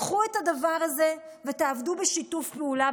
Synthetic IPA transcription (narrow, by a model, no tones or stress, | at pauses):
χuetad̪avaʁaze̞ | ve̞taavdubeʃitufpeula